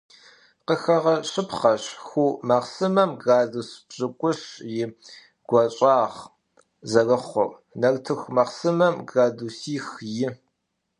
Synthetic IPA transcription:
qəxɐʁɐɕɪpχɐɕxuːmɐqsɨmɐmɡaːzusbʑ̥ɨkʷʼʊɕjɪ | ɡ̥ʷɐɕʼɑːʁ | zɐrɐχʷɔr | nɐrtʰɨxʷmɐqsɨmɐmɡaːduːsiːxjɪ

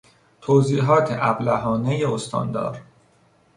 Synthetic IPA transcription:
t̪ʰoːziːɦɒːt̪ʰeʔæblæɦɒːnejeost̪ʰɒ̰ːnd̪ɒ̰ːɾ

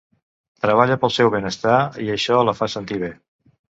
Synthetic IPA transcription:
t̪ɾəβ̞aʎəpəlˠsɛwβenəst̪aiəʃɔləfasənt̪iβe

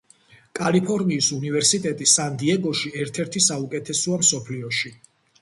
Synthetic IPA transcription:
kʼalipʰɔɾmiːsunivɛɾsit̪ʼɛt̪ʼisand̪iɛɡɔʃiɛɾt̪ʰɛɾt̪ʰisaukʼɛt̪ʰɛsɔamsɔpʰliɔʃi

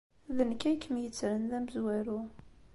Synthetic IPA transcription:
ðənkæjkːəmjət͡sːɾənðæməzwæɾu

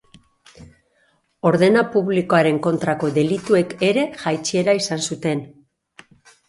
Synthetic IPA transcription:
o̞ɾðe̞napuβliko̞aɾe̞ŋko̞nt̪ɾako̞ðe̞lit̪ue̞ke̞ɾe̞ʝajt͡ʃie̞ɾaisansut̪e̞n

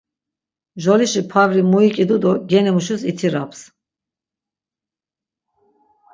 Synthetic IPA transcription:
ʒɔliʃipʰavɾimuikʼid̪ud̪ɔɡɛnɛmuʃusit̪ʰiɾapʰs

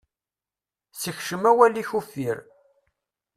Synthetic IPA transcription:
səçʃəmæwæliçufːiɾ

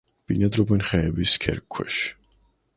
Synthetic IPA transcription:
b̥inad̪ɾɔbɛnχɛːbiskʰɛ̰ɾkʰːwɛ̰ʃ

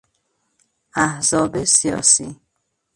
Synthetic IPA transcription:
ʔæhzɒːbesijɒ̰ːsi

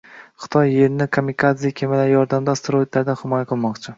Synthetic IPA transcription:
χɨ̥t̪ʰɒjːeɾnɪkʰomʲːikʰat̪sɪjakʲʰemɪlaɾjɒɾd̪amd̪ast̪ɾoid̪laɾd̪anhɪmɒjaqʰɨlˠmɒqt͡ʃʰɪ

